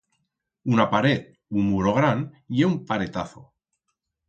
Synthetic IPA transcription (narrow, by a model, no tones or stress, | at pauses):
unapaɾe̞ð | unmuɾoɣ̞ɾan | jeumpaɾe̞t̪aθo̞̰